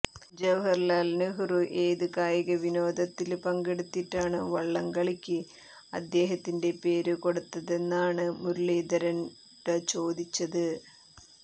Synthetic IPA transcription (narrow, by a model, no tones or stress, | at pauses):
d͡ʑeʋɦɐrlaːlnɨɦuruʔe̞ːðɨkaːjɐɣɐʋino̞ːd̪ɐt̪ːilpɐŋɡeɽut̪ːiʈːaːɳɨʋɐɭːɐŋɡɐɭikʲːɨ | ɐ̰d̪ːe̞ːɦɐt̪ːinde̞pe̞ːɾɨko̞ɽut̪ːɐðe̞nːaːɳɨmuɾuliːd̪ɐɾɐn | dɐt͡ɕo̞ːd̪it͡ɕːɐðɨ